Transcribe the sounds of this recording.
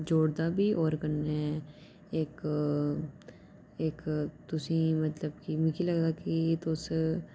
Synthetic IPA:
d͡ʒoːɽd̪abʱiʔɔːɾkɐɾneɛ | eːk | eːkt̪ʊsĩmɐt̪ləbkimɪ̃kʰilɐɡd̪akit̪os

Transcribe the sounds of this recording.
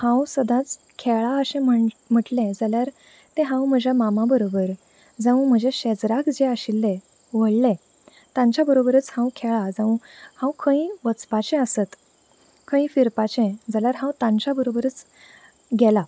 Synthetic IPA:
hãwsəd̪ʱãt͡s | kʰɛɭaəɕẽməm̤əʈlẽd͡zaljaɾ | t̪ẽɦãwm̤əd͡ʑʱjamamabəɾobəɾ | d͡zãũm̤əd͡ʑeɕɛd͡zɾakd͡ʑeəɕilːe | ʋ̤əɭle | t̪ãɲt͡ɕjabəɾobəɾət͡shãwkʰɛɭad͡zãũhãwkʰə̃ĩʋət͡spat͡ɕɛ̃əsət̪ | kʰə̃ĩfiɾpat͡ɕɛ̃d͡zaljaɾɦãwt̪ãɲt͡ɕjabəɾobəɾət͡s | ɡɛla

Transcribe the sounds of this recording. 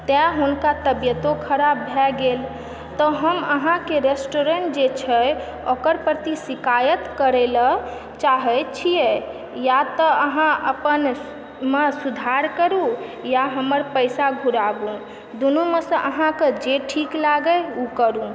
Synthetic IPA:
t̪ɛɦunkat̪əbjət̪okʰəɾabːʱɛɡel | t̪ɔɦəməɦãkeɾesʈoɾeɳʈ̚d͡ʒet͡ʃʰɛə | okəɾpəɾt̪isikajət̪kəɾɛlə | t͡ʃaɦət͡ʃʰije | jat̪əəɦãʔəpən | mesud̪ʱaɾkəɾũjaɦəməɾpəjsaɡʱuɾabũ | d̪unumesə̃ʔəɦãked͡ʒeʈʰiklaɡəukəɾũ

